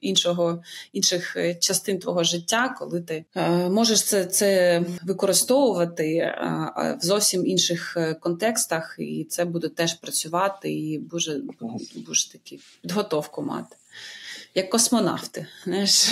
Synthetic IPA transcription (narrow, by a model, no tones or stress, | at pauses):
inʃɔɦɔinʃɪxt͡ʃɐst̪ɪnt̪ʋɔɦɔʒɪtʲːakɔ̰lˠɪt̪ɪmɔʒeʃt̪sɛt̪sɛʋɪkɔɾɪst̪ɔʋʊʋɐt̪ɪ̰ | wzɔwsʲiminʃɪxkɔnt̪ɛkst̪ɐxḭt̪sɛbud̪ɛt̪ɛʃpɾɐt͡sʲʊʋɑt̪ɪ̰ibuʒɛbuʃt̪ɐkʲipʲid̪ɦɔt̪ɔwkʊmɑ̰t̪ɪ̥ | jɐkːɔsmɔnɑ̰ft̪ɪznajʃ